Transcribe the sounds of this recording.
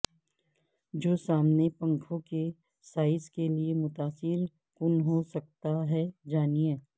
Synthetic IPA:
d͡ʒoːsaːmnepɐ̃ŋkʰõke | saːɪskeliemʊt̪aːsɪɾ | kʊnɦosɐk̚t̪aɦɛd͡ʒaːnieː

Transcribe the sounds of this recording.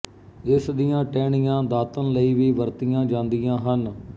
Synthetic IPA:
ɪsd̪ɪjãːʈɛːɳijãːd̪aːt̪ənləiːʋiːʋəɾt̪ijãːd͡ʒãːnd̪ɪjãːɦən

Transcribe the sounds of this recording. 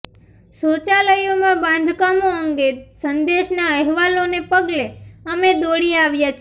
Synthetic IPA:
sot͡ʃaləjomãbãnd̪ʱkamoəŋɡesənd̪eʃnaəɦʋalonepəɡleəmed̪oɽiaʋjat͡ʃʰ

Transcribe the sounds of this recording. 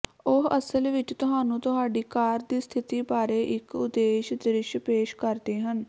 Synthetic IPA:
ʊɦəsəlʋɪt͡ʃt̪ʊɦaːnũːt̪ʊɦaːɖiːkaːɾd̪iːst̪ʰɪt̪iːbaːɾeːʔɪkʊd̪eːʃd̪ɪɾɪʃpeːʃkəɾd̪eːɦən

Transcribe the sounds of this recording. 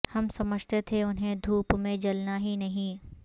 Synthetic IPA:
hɐmsɐməd͡ʒʱt̪et̪ʰeʊnɦẽd̪ʱuːpmẽd͡ʒɐlnaɦinɐɦĩ

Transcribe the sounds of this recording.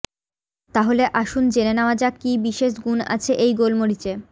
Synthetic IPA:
t̪aɦoleʔaʃund͡ʑenenaoad͡ʑakibiʃeʃɡuna̰t͡ɕʰeʔejɡolmoɾit͡ɕe

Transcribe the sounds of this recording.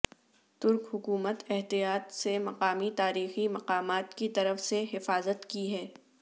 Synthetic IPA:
t̪ʊɾkɦʊkuːmət̪ɛɦt̪ijaːt̪semɐqaːmit̪aːɾiːximɐqaːmaːt̪kit̪ɐɾəfseɦɪfaːzət̪kiɦɛː

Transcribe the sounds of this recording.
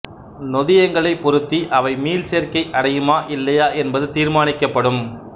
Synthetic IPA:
nɔðɪjɐŋɡɐɭɐɪpːɔɾɯt̪ːiʔɐʋɐɪmiːlseːɾkɐɪʔɐɽɐjɯmaːʔɪlːɐjaːʔɛnbɐðɯt̪iːɾmaːnɪkːɐpːɐɽɯm

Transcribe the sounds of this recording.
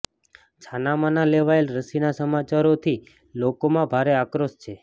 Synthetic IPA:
t͡ʃʰanamanaleʋaelɾəsinasəmat͡ʃaɾot̪ʰi | lokomãbʱaɾeakɾost͡ʃʰe

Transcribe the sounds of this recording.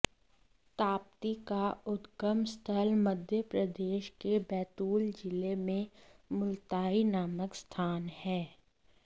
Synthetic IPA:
t̪aːp̚t̪ikaʊt̪ɡəmst̪ʰəlməd̪ʱjəpɾəd̪eːʃkebɛːt̪uːld͡ʒɪlemẽmʊlt̪aːinaːməkst̪ʰaːnhɛː

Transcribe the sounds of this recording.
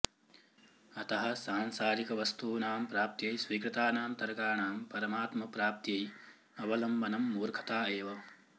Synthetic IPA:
ɐt̪ɐɦɐ̆saːnsaːɾikɐʋɐst̪uːnaːmpɾaːp̚t̪jɐjsʋiːkɾɨt̪aːnaːmt̪ɐɾɐkaːnaːmpɐɾɐmaːt̪mɐpɾaːp̚t̪jɐj | ɐʋɐlɐmbɐnɐmːuːɾkʰɐ̥t̪aːeːʋɐ

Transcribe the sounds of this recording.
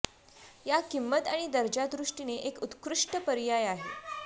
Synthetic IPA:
jakimːət̪aɽ̃id̪əɾd͡ʑad̪ɾuʂʈineʔekut̪kɾuʂʈəpəɾjajaɦe

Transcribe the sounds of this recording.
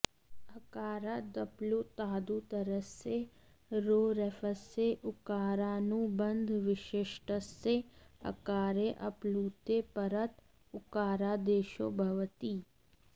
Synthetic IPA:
ɐkaːɾad̪ɐplut̪aːd̪ut̪əɾəse | ɾoːɾɛfəsːeʔʊkaːɾaːnũbə̃nd̪ʱʋɪʃɪʃʈəsːeɐ̰kaːɾeʔɐpluːt̪epɐɾət̪ | ʊkaːɾad̪eːʃoːbʱɐʋt̪iː

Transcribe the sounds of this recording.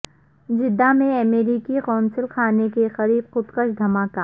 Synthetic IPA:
d͡ʒɪd̪ːamẽɐmeːɾiːkixɔːnsɪlxaːnekexɐɾiːbxʊt̪qəʃd̪ʱɐmaːkaː

